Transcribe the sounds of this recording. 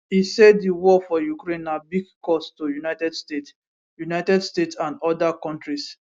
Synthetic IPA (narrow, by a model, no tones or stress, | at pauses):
isɛddiwɔfɔjukɾẽnːabiɡkɔstojunaɪtɛdstet | junaɪtɛdstetsãnɔdakɔ̃ntɾis